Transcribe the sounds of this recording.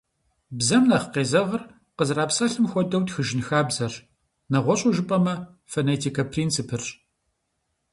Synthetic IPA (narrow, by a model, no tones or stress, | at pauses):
bzɐmnɐχəqeːzɐʁɐr | qəzraːpsɐɬɨmxʷɔdɐwtxɨʒɪnxaːbzɐr | nɐʁʷɔɕʼuʒɨpʼɐmɐ | fɐnetʰiːkʰɐpʰriːnt͡sʰipʰɨr